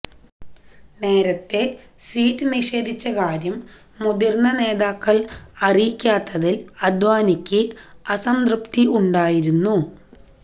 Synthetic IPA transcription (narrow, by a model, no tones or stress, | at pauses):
ne̞ːɾɐt̪ːe̞ | siːtːɨniʂe̞ːd̪ʱit͡ɕːɐkaːɾjɐmː | ud̪irnːɐne̞ːðaːkːɐɭɐrikʲːaːt̪ːɐðilɐd̪ʋaːnikʲːɨɐsɐmd̪rɨpt̪iuɳɖaːjiɾunːu